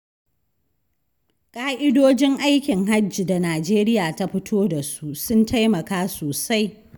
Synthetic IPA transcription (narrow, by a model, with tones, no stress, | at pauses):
kʼaː˦ʔɪ˦doː˦d͡ʒɪ˦ŋʔa˦jkʲɪ˨ŋɦa˦d͡ʒiː˨da˨naː˨d͡ʒeː˦ɾɪ˦jaː˨ta˦ɸɪ˦tʰoː˦da˨su˦sʊ˦ntʰa˦jmɐ˨kaː˦soː˨sa˦j